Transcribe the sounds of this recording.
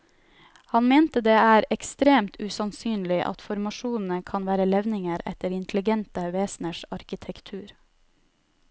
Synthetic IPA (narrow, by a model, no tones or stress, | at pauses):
hɑnmeːnt̪əd̪eːæːɾɛkst̪ɾeːmt̪ʰʉsɑnsyːnlɪʔɑ̰t̪fɔɾmɑʃuːnn̩əkʰɑnʋæːɾəlɛʋnɪŋəɾɛ̰t̪əɾɪnt̪ʰl̩ɪɡɛnt̪əʋeːsn̩əʃɑɾkɪt̪ʰɛkt̪ʰʉːɾ